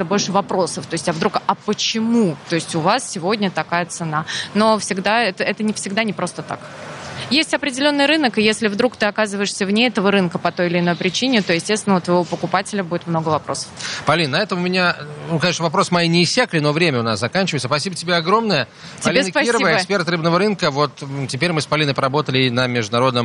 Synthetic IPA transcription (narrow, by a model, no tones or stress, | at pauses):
t̪ɨbo̞lʲʂɨvɐpɾo̞səft̪o̞ɪsʲtʲɐvd̪ɾukɐpət͡ɕɪmut̪o̞ɪsʲtʲʊvassʲɪvo̞dʲnʲət̪ɐkajət̪sɨnano̞fsʲɪɡd̪aɛt̪əʔɛt̪ənʲɪfsʲɪɡd̪anʲɪpɾo̞st̪ət̪a̰k | jesʲtʲɐpɾʲɪdʲɪlʲo̞nːɨjɾɨnəkɨjesʲlʲɪvd̪ɾukt̪ɨɐkazɨvəjɪʂsʲəvnʲeɛt̪əvəɾɨnkəpɐt̪o̞jɪlʲɪɪno̞jpɾʲɪt͡ɕinʲɪt̪o̞jɪsʲtʲest̪ʲɪnvot̪vəjɪvopəkʊpatʲɪlʲəbudʲɪt̪mno̞ɡəvɐpɾo̞̰sə̥fpɐlʲinnːɐɛt̪əmʊmʲɪnʲanukɐɲʲeʂnəvɐpɾo̞smɐjinʲɪːsʲːaklʲɪno̞vɾʲemʲəʊnaszɐkanʲt͡ɕɪvəɨɪt̪səspɐsʲibətʲɪbʲeɐɡɾo̞mnəjə | ptʲːɪlʲensəkpɐsʲəivəɪbəkspʲe̞rt̪rɨbnəvəɾɨnkəvo̞t̪tʲɪpʲeɾʲmɨspɐlʲinəpɾɐbo̞t̪əlʲɪnəmʲɪʐd̪ʊnɐɾo̞d̪nəm